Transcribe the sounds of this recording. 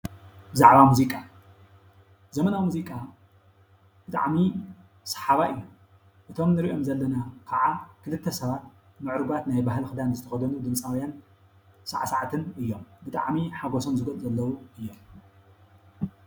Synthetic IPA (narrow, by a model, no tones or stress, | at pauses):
bɨzaʕβamuzikʼa | zɐmɐnawmuzikʼa | b̥ɨt̪ʼa̰ʕmi | sɐ̥ħaβaʔɨju | ʔɨt̪ʰo̞mnɨɾiʔo̞mzɐlːɐnakʰaʕakʰɨlɨt̪ʰːɐsɐβat̪̚ | mɨʕɾɨɡat̪najbaɦlxɨd̪anzɨt̪ʰɐxɐd̪ɐnud̪ɨmsʼawjan | sɐ̰ʕasaʕat̪ʰɨnɨjːo̞mbɨt̪ʼa̰ʕmiħaɡosomzɨɡɐlʼzɐlːɐwuɨjːo̞m